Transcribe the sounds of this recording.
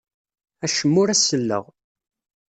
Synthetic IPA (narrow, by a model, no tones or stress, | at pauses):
æʃəmːʊɾæsːəlːə̰ʁ